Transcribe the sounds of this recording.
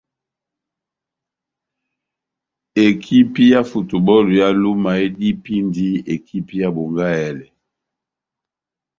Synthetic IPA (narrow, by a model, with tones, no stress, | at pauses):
e˨kʰi˦pi˦ja˦fu˨tu˨bɔ˦lu˨ja˦lu˦ma˨e˦di˦pi˦ndi˦e˨kʰi˦pi˦ja˦bo˨ŋɡa˦ɛ˨lɛ˨